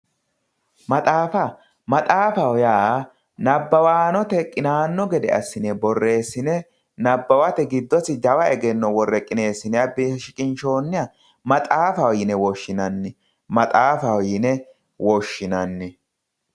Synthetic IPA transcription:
mɐt̪ʼaːfɐ | mɐt̪ʼaːfɐwjaː | nɐbːɐwaːnɔt̪ɛkʼːɪnaːnːɔɡɛd̪ɛ̰ɐ̰sːɪnɛbɔrːe̞ːsːɪnɛ | nɐbːɐwɐt̪ɛɡɪd̪ːɔsɪd̪ɐwɐɛɡɛnːɔwɔrːɛkʼːɪne̞ːsːɪnɛɐbiʃɪkʼɪnʃo̞ːnːɪjɐ | mɐt̪ʼaːfɐwjɪnɛwɔʃːɪnɐnːɪ | mɐt̪ʼaːfɐwjɪnɛ | wɔʃːɪnɐnːɪ

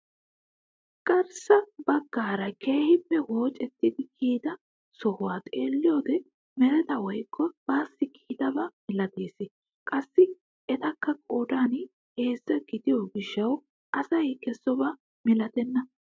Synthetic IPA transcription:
kʼɐɾsɐbɐɡːaːɾɐkʰe̞ːhɪpːɛwo̞ːt͡ʃʼɛt̪ːɪd̪ɪkʰiːd̪ɐ | sɔhʊwaːt̪ʼeːlːɪjoːd̪ɛ | mɛɾɛt̪ɐwɔjkʰːɔb̥aːsːɪkʰiːd̪ɐbɐmɪlɐt̪e̞ːsɪ | kʼɐsːɪ | ɛt̪ɐkːɐkʼoːd̪aːn | he̞ːzːɐɡɪd̪ɪjoɡɪʃːɐw | ʔɐsɐjkɛsːɔbɐ | mɪlɐt̪ɛnːɐ

